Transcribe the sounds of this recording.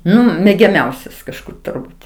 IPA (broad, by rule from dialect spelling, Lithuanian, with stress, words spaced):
ˈnʊ mʲɛɡʲɛˈmʲɛʊsʲɛs kɐʃˈkʊr tʊrˈbuːt